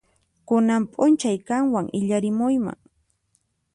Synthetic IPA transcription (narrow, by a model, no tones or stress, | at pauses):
kʊnampʼʊnt͡ʃajkaŋwaŋʔɪʎaɾɪmʊjma̰ŋ